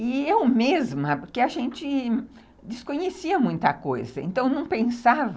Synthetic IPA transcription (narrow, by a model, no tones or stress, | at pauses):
ɪewmezmɐpoɾkeaʒẽnt͡ʃɪ | d͡ʒɪskõɲesiɐmũj̃t̪ɐko̰jzɐḛ̃nt̪ɐ̃w̃nɐ̃w̃pẽsav